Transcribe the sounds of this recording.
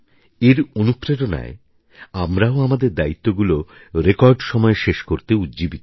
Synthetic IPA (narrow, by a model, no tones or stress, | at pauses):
eɾonupːɾedona̰e | amɾaoamad̪eɾd̪ait̪ːoɡulo | ɾekɔɾɖʃɔmɔeʃeʃkoɾt̪eut̪d͡ʑibit̪